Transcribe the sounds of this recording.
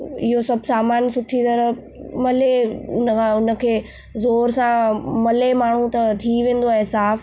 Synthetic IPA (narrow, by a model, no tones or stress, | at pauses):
ɪɦosɐbʱsaːmaːnsʊʈʰit̪ɐɾə | mɐleʊnkʰãʊnə̆kʰeː | zoːɾsãmɐlemaːɳ̤ũt̪ɐt̪ʰiʋẽːn̆d̪oaːɦesaːf